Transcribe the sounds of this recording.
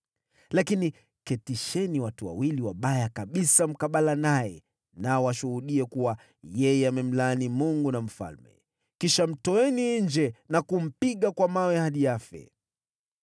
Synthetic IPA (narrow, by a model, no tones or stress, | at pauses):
lakini | kɛtiʃɛniwatua̰wiliwaɓajakaɓisam̩kaɓalanajɛ̰ | naɔwaʃuhuɗiɛkuwa | jɛjɛamɛm̩laːnimuŋɡunam̩fa̰lmɛ̰ | kiʃam̩tɔɛniɲd͡ʒɛnakum̩piɠakwamawɛhaɗijafɛ̰